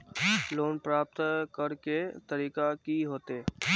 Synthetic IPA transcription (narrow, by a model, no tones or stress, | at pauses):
loːnpɾaːp̚t̪kəɾket̪əɾiːkakiɦoːt̪eː